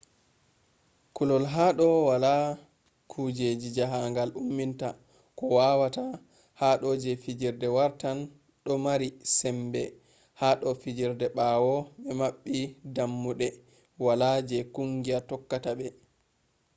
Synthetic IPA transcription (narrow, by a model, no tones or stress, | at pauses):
kulɔlɦaɗɔwala | kʰud͡ʒed͡ʒid͡ʒaɦaŋɡalumːinta̰ | kɔwawata | haɗɔd͡ʒɛfid͡ʒiɾdɛwaɾtan | ɗɔmaɾisɛmbɛ | haɗɔfid͡ʒiɾdɛɓawɔɓɛmaɓːidamːuɗɛ | walad͡ʒɛkuŋɡiatɔkːatabɛ